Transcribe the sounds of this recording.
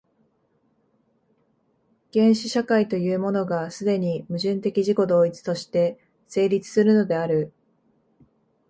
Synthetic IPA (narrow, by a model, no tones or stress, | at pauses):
ɡ̥ẽ̞ɰ̃ɕiɕakait̪o̞jɯːmo̞no̞ɡasɨd̪e̞ɲ̟imɯ̟ʑɨ̃nt̪e̞kʲiʑiko̞d̪o̞ːit͡sɨ̥t̪o̞ɕi̥t̪e̞ | se̞ːɾʲit͡sɨ̥sɨɾɯ̟no̞d̪e̞aɾɯ̟